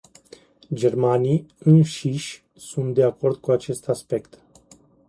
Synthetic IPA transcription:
d͡ʒe̞rmanijɨnʃiʃʲ | sunt̪̚d̪e̞ako̞rd̪̚kuat͡ʃe̞st̪aspe̞kt̪

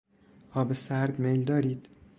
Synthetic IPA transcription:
ɒːbesæɾd̪mejld̪ɒːɾiːd̪̥

